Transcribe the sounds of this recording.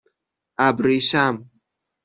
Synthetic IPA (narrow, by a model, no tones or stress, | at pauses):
abɾiʃam